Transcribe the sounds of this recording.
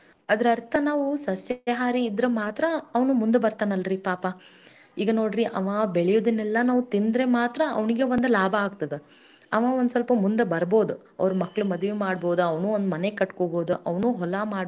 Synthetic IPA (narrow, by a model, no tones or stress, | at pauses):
ɐd̪ɐɾɐɾt̪ʰɐnaːʋusɐsjɐɦaːɾiːd̪ɾɐmaːt̪ɾɐːʋɐnumund̪ebɐɾt̪aːnɐlːɐɾipaːpɐ | iːɡɐno̞ːɽɾiʔɐ̰ʋaːbeɭɛjoːd̪inɛlːɐnaːʋut̪ind̪ɾemaːt̪ɾɐɐ̰ʋniɡe̞ʋond̪ulaːbʱɐːɡ̚t̪ɐd̪e | ɐʋaːond̪sɐlpɐmund̪ebɐɾboːd̪u | ɐ̰ʋɾɐmɐkːɐɭumɐd̪ʋemaːɽbo̞ːd̪uɐʋnuond̪umɐnekɐʈkoːbo̞ːd̪uʔɐʋnuːɦɔlamaːɽ